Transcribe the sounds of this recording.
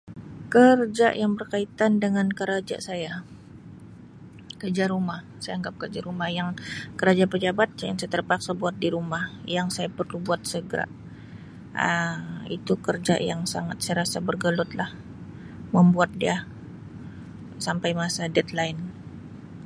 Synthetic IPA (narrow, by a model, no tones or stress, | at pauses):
kərd͡ʒa̰jaŋbərkait̪andəŋankəɾad͡ʒa̰ʔsaja | kərd͡ʒaɾumahsajaaŋɡap̚kərd͡ʒaɾumahjaŋkəɾad͡ʒapəd͡ʒabat̪̚ja̰ŋsajat̪ərpaksabuat̪̚diɾumahjaŋsajapərlubuat̪̚səɡəɾa̰ | əḭt̪ukərd͡ʒa̰ʔjaŋsa̰ŋat̪̚sajɾasabərɡəlʊt̪̚lah | məmbuat̪̚dia | sampajmasadɛt̪laɪn